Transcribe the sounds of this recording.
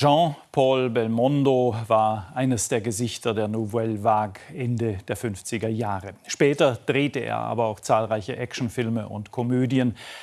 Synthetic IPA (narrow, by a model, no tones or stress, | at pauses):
ʒ̥ɑ̃pʰɔlbɛlmɔndovaːɐʔaɪnəsd̥eːɐɡəzɪçtɐdeːɐnuvɛlvaːkʔɛndəd̥eːɐfʏnft͡sɪɡɐjaːʁəʃpɛːtɐd̥ʁeːtəʔḛːɐʔa̰ːbɐaʊxt͡saːlʁaɪçəʔɛkʃn̩fɪlməʔʊ̰ntkʰɔmøːdjən